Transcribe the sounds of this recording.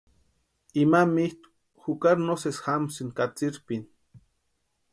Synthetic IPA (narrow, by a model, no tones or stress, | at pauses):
imamiht̪u̥ | xukaɾnosesxamsinkat͡siɾpin